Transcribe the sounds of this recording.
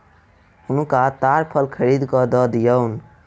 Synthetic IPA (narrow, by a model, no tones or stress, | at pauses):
hʊnkat̪aɾpʰəlkʰəɾid̪kɔd̪ɔd̪ijəʊn